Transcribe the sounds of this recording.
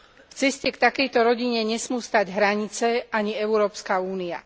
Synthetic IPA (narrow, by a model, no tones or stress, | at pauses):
ft͡sɛscɛkt̪akɛjt̪ɔɾɔɟiɲɛɲɛsmuːst̪aɟɦɾaɲit͡sɛaɲiɛʊɾɔːpskauːnia̰